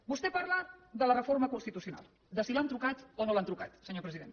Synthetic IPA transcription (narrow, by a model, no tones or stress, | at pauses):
bust̪ɛpaɾlaðələrəfoɾməkunst̪it̪usiuna̰lˠ | d̪əsilant̪ɾukat̪onolant̪ɾukat̪səɲopɾəziðen